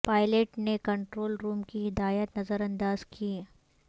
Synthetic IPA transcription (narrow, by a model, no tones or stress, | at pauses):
paːɪleʈnekɐɳʈɾoːlɾuːmkiɦɪd̪aːjət̪nɐzəɾɐ̃nd̪aːzkʰie